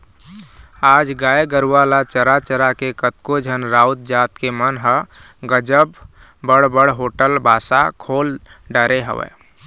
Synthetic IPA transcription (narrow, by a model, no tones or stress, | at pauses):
ad͡ʒɡajeɡəɾuwalat͡ʃəɾat͡ʃəɾakekət̪kod͡ʒʱənɾaut̪̚d͡ʒat̪kemənɦə | ɡəd͡ʒəbː | əɽbəɽɦoʈəlbʱasakʰolɖəɾeɦə̰ʋɛ̰